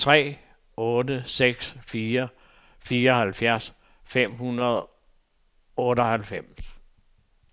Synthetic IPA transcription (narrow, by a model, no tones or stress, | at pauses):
t͡sʰʁɛ̰ː | ɔːdəseɡ̥sfiːɐ | fiːɐɒ̽hælfjæɐ̰s | fem̰hunɐðˠ | ɔːɾəɒ̽hælfem̰s